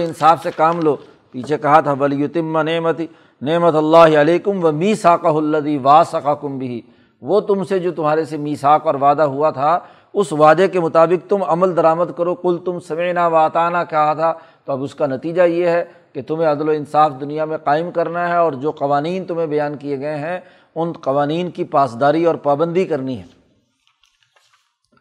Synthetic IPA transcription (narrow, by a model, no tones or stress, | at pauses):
ɪnsaːfsekaːmloː | piːt͡ʃʰekɐɦat̪ʰaʋɐljʊt̪ɪmːanɪmɐt̪i | nɪmɐt̪ɐlːaːɦɪɐleːkʊmʋɐmiːsaːqɐɦʊɐlːɐðiːʋaːsɐqakʊmbɪɦiː | ʋoːt̪ʊmsed͡ʒoːt̪ʊmɦaːɾesemiːsaːqɔːɾʋaːd̪aɦuat̪ʰa | ʊsʋaːd̪ekemʊt̪aːbɪq̚t̪ʊmɐməld̪ɐɾaːməd̪kɐɾoqʊlt̪ʊmsɐmɪʕnaʋaːt̪aːnakaɦat̪ʰa | t̪oɐbʊskanɐt̪iːd͡ʒajeɦɛ | ket̪ʊm̤ẽɐd̪loɪ̃nsaːfd̪ʊnijamẽqaːɪmkɐɾnaɦɛɔːɾd͡ʒoːqɐʋaːniːnt̪ʊmẽbɐjaːnkieɡɐeɦɛ̃ | ʊnqɐʋaːniːnkipaːsd̪aːɾiɔːɾpaːbə̃nd̪ikɐɾniɦɛ̰ː